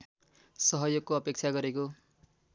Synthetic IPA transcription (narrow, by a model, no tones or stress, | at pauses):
sʌɦʌjoɡ̚koʌpek̚t͡sʰaɡʌɾeko